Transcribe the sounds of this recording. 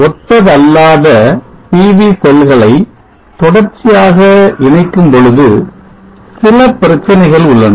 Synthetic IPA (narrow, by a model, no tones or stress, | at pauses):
ɔt̪ːɐðɐlːaːðɐpiːʋisɛlɣɐɭɐɪ | t̪ɔɽɐɾt͡ʃːɪjaːɣɐʔɪɳɐɪkːɯmpɔɻɯðɯ | sɪlɐpɪɾɐt͡ʃːɐnɐɪɣɐɭʊɭːɐn